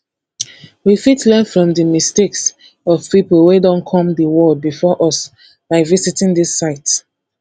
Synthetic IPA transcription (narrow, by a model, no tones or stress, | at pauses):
wifitlɛnfɹɔ̃mðəmisteks | ɔv̥piplˠwedɔ̃nkʰɔ̃mðəwɔbifɔʔɔs | b̥aɪvisitĩŋðisaɪt